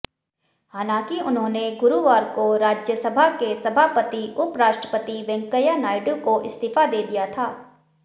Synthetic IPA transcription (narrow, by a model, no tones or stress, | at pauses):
haːnãːkiʊnɦõːneɡʊɾuʋaːɾkoɾaːd͡ʒjəsəbʱakesɐbʱaːpət̪iʊpɾaːʃʈɾəpət̪iʋɛ̃ŋkəjanaːɪɖukoʔɪst̪iːfad̪eːd̪ijat̪ʰaː